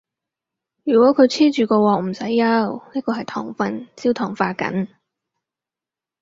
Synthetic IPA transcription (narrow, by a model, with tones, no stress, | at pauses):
jyː˨˩kwɔː˨˥kʰɵ˨˧ɥt͡sʰiː˥t͡ʃyː˨kɔː˧wɔː˨k̚m̩˨˩sɐ˨˥jːɐ˧˥wniː˥kɔː˧hɐ˨jt̪ʰɔ̰ː˨˩ŋfɐ˨nt͡si˥wt̪ʰɔː˨˩ŋfaː˧kɐ̰˨˥n